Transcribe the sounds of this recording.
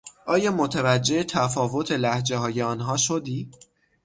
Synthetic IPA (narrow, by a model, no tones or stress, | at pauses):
ʔɒːjɒːmot̪ʰævæd͡ʒːe̞et̪ʰæfɒːvo̞t̪ʰelæhd͡ʒe̞hɒːjeɒːnɦɒːʃo̞d̪iː